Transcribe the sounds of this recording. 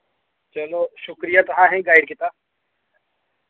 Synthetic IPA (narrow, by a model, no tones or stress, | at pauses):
t͡ʃɐloːʃʊkɾijat̪ɐɦãɦɛ̃ɡaːɪɖkɪt̪aː